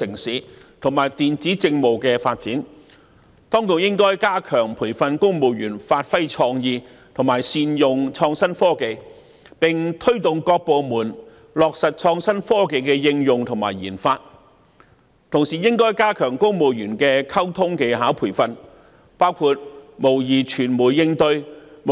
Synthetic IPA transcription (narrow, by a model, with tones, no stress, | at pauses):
sɪ˨˩ŋsiː˨˥ | t̪ʰʊ˨˩ŋmaː˨˩jt̪iː˨nt͡siː˨˥t͡sɪ˧ŋmo˨wkɛː˧faː˧t̚t͡siː˨˥n | t̪ɔː˥ŋkʊ˧k̚jɪ˥ŋkɔː˥jkaː˥kʰœː˨˩ŋpʰuː˨˩jfɐ˧nkʊ˥ŋmo˨˧wjyː˨˩nfaː˧t̚fɐ˥jt͡ʃʰɔː˧ŋjiː˧ | t̪ʰʊ˨˩ŋmaː˨˩jsiː˧njʊ˨ŋt͡ʃʰɔː˧ŋsɐ˥nfɔː˥ke˨˧j | pɪ˨˩ŋt̪ʰɵ˥ɥt̪ʊ˨ŋkɔː˧k̚po˨˧wmuː˨˩n | lɔː˨˧k̚sɐ˨t̚t͡ʃʰɔː˧ŋsɐ˥nfɔː˥ke˨jkɛː˧jɪ˧ŋjʊ˨ŋt̪ʰʊ˨˩ŋma̰ː˨˩jiː˨˩nfaː˧t̚ | t̪ʰʊ˨˩ŋsiː˨˩jɪ˥ŋkɔː˥jkaː˥kʰœː˨˩ŋkʊ˥ŋmo˨wjyː˨˩nkɛː˧kʰɐ˥wt̪ʰʊ˥ŋke˨˧jɦaː˨˥wpʰuː˨˩jfɐ˧n | paː˥wkʰuː˧t̚mo˨˩wjiː˨˩t͡ʃʰyː˨˩nmuː˨˩jːɪ˧ŋt̪ɵ˧ɥm